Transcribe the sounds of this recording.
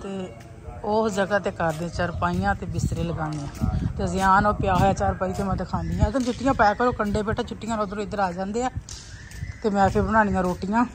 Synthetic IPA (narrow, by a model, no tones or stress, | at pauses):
t̪eː | oːsd͡ʒəɡaːt̪eːkəɾd̪ẽt͡ʃəɾpaːijãːt̪eːbɪst̪ɾeːləɡaːnijãːt̪ezɪjaːnoːpɪjaːɦoːjaːt͡ʃaːɾpaːiːt̪eːmət̪əkʰaːnd̪iːãd̪ənt͡ʃʰʊʈːɪjãːpɛɛːkəɾoːkəɳɖeːpeːʈʰaːt͡ʃʰʊʈːɪːjãːnoːd̪əɾõɪd̪əɾaːd͡ʒãːnd̪eːɛː | t̪eːmɛ̃ːpʰɪɾbəɽ̃aːñijãːɾoːʈɪjãː